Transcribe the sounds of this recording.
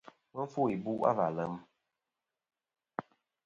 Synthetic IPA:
mə˦ɱ˦fu˦˨i˨bu˦ʔa̰˦va˨lə˨˦m

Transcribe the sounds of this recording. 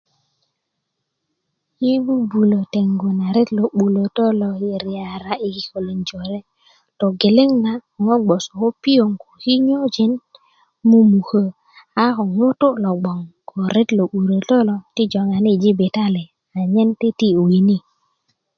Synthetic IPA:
ji˦bu˦bu˨lo˨te˨ŋɡo˨na˨ɾe˦tlo˨ɓu˨lo˨to˦lo˨i˨ɾi˨a˨ɾa˦ʔi˨hi˨ko˨li˨nd͡ʒo˨ɾe˦ | to˨ɡe˨le˦ŋna˨ŋo˦ɡ͡bo˨so˨ko˦pi˦o˨ŋko̥˨hi˦ɲo˦d͡ʒi˨˦n | mu˦mu˨hə˦ | a˦ko˨ŋo˦to˦lo˨ɡ͡bo˨ŋko˨ɾe˦tlo˨ɓu˨ɾo˨to˦lo˨ti˦d͡ʒo˨ŋa˨ni˦d͡ʒi˦be˨ta˦le˨ | a˨ɲe˦nti˦ti˦u˨ɡi˨ni˦

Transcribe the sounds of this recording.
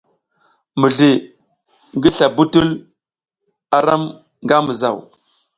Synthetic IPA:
mi˨ɮi˨ | ŋɡi˦ɬa˨bu˦tu˦l | a˨ɾa˦m | ŋɡa˦mə˨za̰˨w

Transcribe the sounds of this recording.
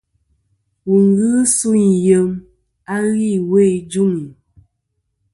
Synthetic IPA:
wu˨ŋ˦ɡɨ˦su˦ɲ˨jə˨m | a˦ɣi˦˨we˦˨d͡ʒu˦ŋi˨

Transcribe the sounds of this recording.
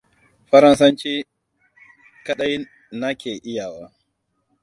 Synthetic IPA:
ɸɐ˦ɾɐ˦nsɐ˦nt͡ʃiː˦ | kɐ˦ɗɐ˦j | na˦kʲeː˨ʔɪ˦jaː˨waː˦

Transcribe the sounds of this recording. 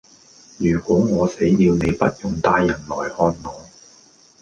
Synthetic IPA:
jyː˨˩kɔː˨˥ŋɔː˨˧se˨˥jːiː˧wne˨˧jpɐ˥t̚jʊ˨˩ŋt̪aː˧jːɐ˨˩nlɔː˨˩jhɔː˧nnɔː˨˥

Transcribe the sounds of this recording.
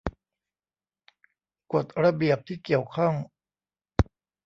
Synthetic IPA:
ko˨˩t̪̚ɾa˧bi˨˩əp̚t̪ʰiː˥˩ki˨˩əwkʰɔ˥˩ŋ

